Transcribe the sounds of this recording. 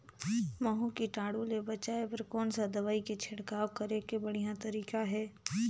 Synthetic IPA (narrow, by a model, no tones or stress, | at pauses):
mɐɦũkiʈaːɽuːlebɐt͡ʃaːepɐɾkɔːnsad̪ɐʋaːiket͡ʃʰɪɽkaːokɐɾekebɐɽ̤ijãt̪ɐɾiːkaɦɛː